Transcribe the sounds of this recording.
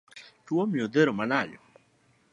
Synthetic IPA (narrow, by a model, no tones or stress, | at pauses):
twomjod̪eɾomanaʎɔ